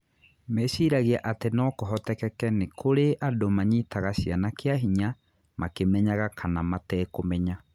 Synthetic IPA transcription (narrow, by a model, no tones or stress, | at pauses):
mesiːɾaɣeaʔatenɔkoɦɔtɛkɛkɛnekʰoɾeʔadomaɲitaɣaɕianakeaɦiɲa | makemɛɲaɣakʰanamatɛːkomɛɲa